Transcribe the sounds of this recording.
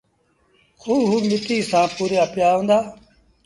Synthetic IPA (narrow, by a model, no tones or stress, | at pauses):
kʰuːɦuːmɪt̪iːsãːpuːɾjaːpɪjaːɦõːnd̪aː